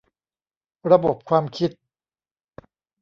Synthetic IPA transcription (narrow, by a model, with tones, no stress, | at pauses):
ɾa˧bo˨˩p̚kʰwaː˧mkʰi˦˥t̪̚